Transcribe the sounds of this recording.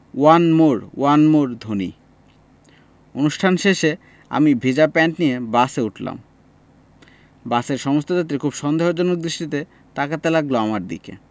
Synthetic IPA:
wanmoɾwanmoɾd̪ʱonḭ | onuʃʈʰanʃeʃe | a̰mibʱid͡ʑapɛɳʈnijebaseuʈla̰m | baseɾʃɔmost̪od͡ʑat̪̬ːɾikʰubʃɔnd̪eɦod͡ʑɔnok̚d̪ɾiʃʈit̪e | t̪akat̪elaɡloamaɾd̪ḭkḛ

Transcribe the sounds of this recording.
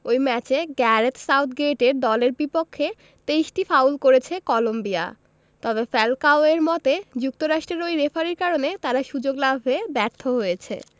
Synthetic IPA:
ojmɛt͡ɕeɡɛɾet̪sawt̪ʰɡeʈeɾd̪ɔleɾbipokʰːe | t̪eiʃʈifawlkoɾet͡ɕʰekɔlombia̰ | t̪ɔbefɛlkaoeɾmɔt̪ed͡ʑuk̚t̪oɾaʃʈɾeɾojɾefaɾiɾkaɾonet̪aɾaʃud͡ʑoɡlabʱɦoebɛɾt̪ʰːoɦojet͡ɕʰḛ

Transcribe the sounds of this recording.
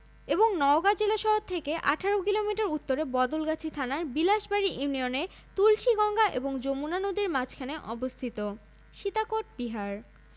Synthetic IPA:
eboŋnɔoɡad͡ʑelaʃɔɦot̪ʰːekeʔaʈʰaɾokilomiʈaɾut̪ːoɾebɔd̪olɡat͡ɕʰit̪ʰanaɾbilaʃbaɾiʔiunione | t̪ulʃiɡɔŋɡaʔḛboŋd͡ʑomunanod̪iɾmat͡ɕʰkʰaneʔɔbost̪ʰit̪o | ʃit̪akoʈ̚biɦaɾ

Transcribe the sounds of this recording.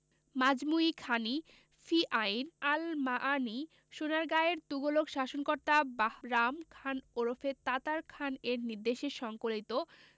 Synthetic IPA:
mad͡ʑmuikʰani | fiʔajinalmaʔani | ʃonaɾɡaeɾt̪uɡoloɡʃaʃonkoɾt̪abahɾamkʰanoɾofet̪at̪aɾkʰaneɾniɾd̪eʃeʃɔŋkolit̪o

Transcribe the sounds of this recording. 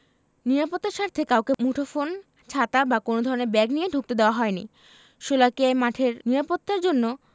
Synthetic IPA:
niɾapot̪ːaɾʃaɾt̪ʰekawkemuʈʰofon | t͡ɕʰat̪abakonod̪ʱɔɾoneɾbɛɡnijeɖʱuk̚t̪ed̪eoaɦɔenḭ | ʃolakiamaʈʰeɾniɾapot̪ːaɾd͡ʑonːo

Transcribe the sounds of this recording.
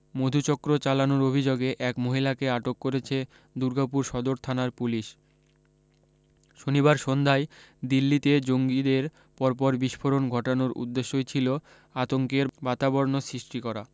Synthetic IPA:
mod̪ʱut͡ɕɔkɾot͡ɕalanoɾobʱid͡ʑoɡeʔɛkmoɦilakeaʈokːoɾet͡ɕʰe | d̪uɾɡap̬uɾʃɔd̪oɾt̪ʰanaɾpuliʃ | ʃoniβaɾʃond̪ʱaed̪ilːit̪ed͡ʑoŋɡid̪eɾ | pɔɾp̬ɔɾbiʃpʰoɾonɡʱɔʈonoɾṵd̪ːeʃːot͡ɕʰilo | at̪oŋkeɾbat̪abɔɾnosɾiʃʈikɔɾa

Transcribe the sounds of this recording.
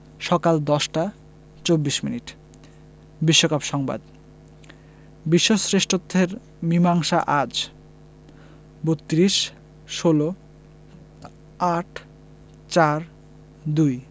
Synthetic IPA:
ʃɔkald̪ɔʃʈa | t͡ɕobːiʃminiʈ | biʃːokabʃɔŋba̰d̪ | biʃːosɾeʃʈɾot̪ʰːeɾ | mimaŋʃaʔad͡ʑ | bot̪ːɾiʃ | ʃolo | aʈʰ | t͡ɕaɾ | d̪uj

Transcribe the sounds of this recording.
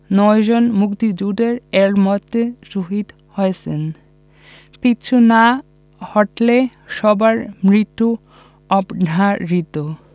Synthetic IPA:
nɔed͡ʑonmukt̪id͡ʑuɖeɾeɭmɔt̪ːesuɦid̪ | hɔesḛn | pitːɕʰuna | hɔʈleʃɔbaɾmɾit̪u | ɔbnaɾit̪o

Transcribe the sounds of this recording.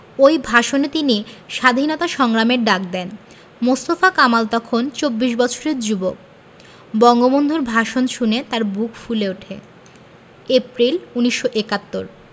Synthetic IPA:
ojbʱaʃonet̪iniʃad̪ʱinɔt̪aʃɔŋɾameɾɖak̚d̪ɛn | most̪ofakamalt̪ɔkʰont͡ɕobːiʃbɔt͡ɕʰoɾeɾd͡ʑubok̚ | bɔŋɡobond̪ʱuɾbʱaʃonʃunet̪aɾbukfuleuʈʰḛ | epɾiluniʃːoʔekat̪ːoɾ

